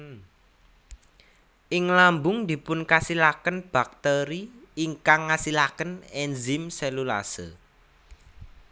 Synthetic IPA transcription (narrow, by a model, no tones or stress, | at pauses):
ʔɪŋlambʊŋd̪̥i̤pʊnkasilakənb̥a̤k̚t̪eɾiiŋkaŋːasilakənɛnzɪmsɛlula̰sə̰